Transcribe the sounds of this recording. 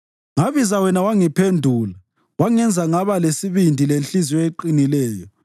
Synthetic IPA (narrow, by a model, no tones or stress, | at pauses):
ŋaβizawɛnawaŋipʰendʱuːla | waŋɛnd͡zʱaŋaβalesiβindʱilenɬizieǃinilɛːjɔ